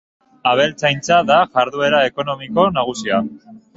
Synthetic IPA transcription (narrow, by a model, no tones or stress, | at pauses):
aβ̞e̞lt͡sajnt͡saðaʝaɾðue̞ɾae̞ko̞no̞miko̞naɣ̞usia